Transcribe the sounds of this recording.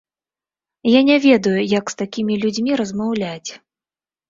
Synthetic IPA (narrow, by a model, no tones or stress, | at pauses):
janʲɛvʲɛd̪ujujɐkst̪akʲimʲilʲud͡zʲmʲiɾɐzmawlʲat͡sʲ